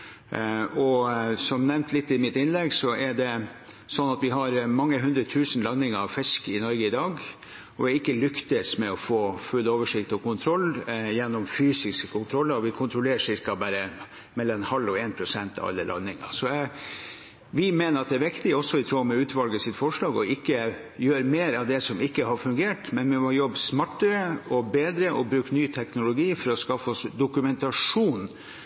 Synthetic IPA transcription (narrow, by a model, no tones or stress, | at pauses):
ɔsɔmnɛʋnt̪ʰlɪt̪ːɪmɪt̪ːɪnlɛɡsɔɛɖɛ | sɔnːɑt̪ʋɪɦɑɾmɑŋːəɦʉnd̪ɾət̪ʰʉːsənlɑnːɪŋəɾɑʋfɪskɪnɔɾɡəɪd̪ɑːɡ | ɔɛɪkːəlʏkt̪əsmɛɔfoːfʉlːoːʋəʂɪkt̪ɔkʊnt̪ʰɾɔlːjɛnːɔmfyːsɪskə̥kʰʊnt̪ʰɾɔlːəɾɔʋɪkʰʊnt̪ʰɾʊleːʂɪɾkɑbæːɾə | mɛlːɑnhɑlːɔeːnpʰɾʊsɛnt̪ɑ̰ʋɑ̰lːəlɑ̰nːɪŋɑ̰sɔæ | ʋɪmeːnəɾɑt̪̚d̪ɛæɾʋɪkt̪ɪɔsɔɪt̪ʰɾuːmɛʉːt̪ʋɑlɡəsɪt̪ːfɔʂɭɑːɡɔɪkːə | jøːɾmeːɾɑʋd̪ɛsɔmɪkːəɦɑɾfʉŋɡeːʈmɛnmɛmɔjɔbːsmɑʈːəɾəɔbeːd̪ɾəʔɔbɾʉːknyːt̪ʰɛknʊlʊɡiːfɔɾɔskɑfːɔsd̪ʊkʉmɛnt̪ɑʂuːn